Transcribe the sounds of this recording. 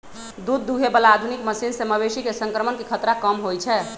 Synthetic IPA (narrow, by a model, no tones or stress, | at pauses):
d̪ud̪ːuɦebəlaad̪ʱunikməsinseməβesikesə̃ŋkɾəmənkekʰət̪ɾakəmɦojt͡ʃʰɛ